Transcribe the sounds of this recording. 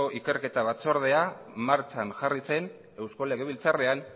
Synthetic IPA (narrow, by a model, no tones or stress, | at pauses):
oʔike̞ɾke̞t̪aβat͡so̞ɾð̞e̞amaɾt͡ʃanʝarise̞n | e̞wsko̞le̞ɣ̞eβilt͡sare̞an